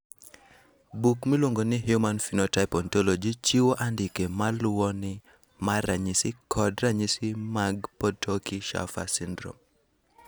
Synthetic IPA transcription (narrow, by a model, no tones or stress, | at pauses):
bukmilwoŋɡonɪɦjumanfinotaɪpɔntɔlɔd͡ʒit͡ʃiwoʔandɪkemalʊwɔnɪ | maɾaɲisɪkʰɔdɾaɲisimaɡpɔtokiʃa̰fa̰sindɾo̰m